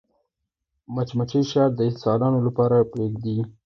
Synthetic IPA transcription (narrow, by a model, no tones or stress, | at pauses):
mat͡ʃmat͡ʃiʃɑd̪əɪt̪sɑlɑnolapɑɾapɾeɡd̪i